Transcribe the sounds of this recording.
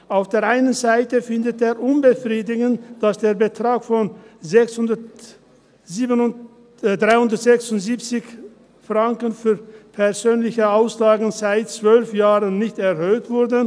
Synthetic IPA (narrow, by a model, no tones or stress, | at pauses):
ʔaʊfd̥eːɐʔaɪnənzaɪtəfɪndəteːɐʔʊnbəfʁiːdɪɡən̩td̥asd̥eːɐbətʁ̥aːkfɔnzɛksʊndɐ | ziːən | dʁaɪhʊndɐtz̥ɛksʊntz̥iːp̚t͡sɪç | fʁaŋkənfyːɐpʰɛɐzøːnlɪçəaʊslaːɡŋ̩zaɪt̚t͡sv̥œlfjaːʁənːɪçtɛʁhøːtv̥ʊɐdə